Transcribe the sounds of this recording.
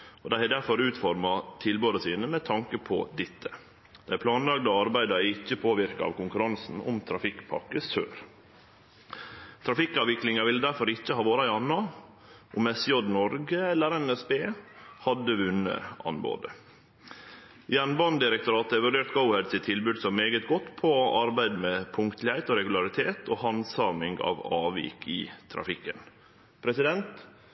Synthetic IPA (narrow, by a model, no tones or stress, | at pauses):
ʔɔd̪æɪæd̪æɾfɔɾʉːt̪fɔɾmɑt̪ʰɪlbøːd̪əsiːnəmɛt̪ʰɑŋkəpʰɔ̰d̪ɪt̪ʰːə | d̪̥æɪpʰlɑːnlɑɡd̪ɑɑɾbæɪd̪ɑɪcːəpʰoːʋɪɾkɑɑ̰ʋkʊŋkʉɾɑnsn̩ʊ̰mt̪ʰɾɑfɪkpʰɑ̰kːəsø̰ːɾ | t̪ʰɾɑfɪkːɑːʋʋɪklɪŋɑʋɪld̪æɾfɔɾɪçːəhɑːʋoːɾɑɪɑnːɑ | ʔʊmɛsɪjɔd̪nɔɾɡəɛlːəɾɛnɛsbeːhɑd̪əʋʉnːə̰ʔɑ̰nbo̰ːd̪ə | jɛnbɑnd̪ɪɾək̚t̪ʊɾɑːt̪ɛɪʋʉɖeːɾt̪ɡəʊɛd̪sɪt̪ʰːɪlbʉːd̪sɔmːeːɡət̪ɡɔt̪ːpʰɔʔɑɾbæɪd̪meːpʰʊŋkt̪ʰlɪhæɪt̪oːɾɛɡʉlɑɾɪt̪ʰeːt̪ʰoːhɑnsɑmɪŋɡɑ̰ʋɑːʋḭːkʰɪ̰t̪ʰɾɑ̰fɪkːən | pʰɾɛsɪd̪ɛnt̪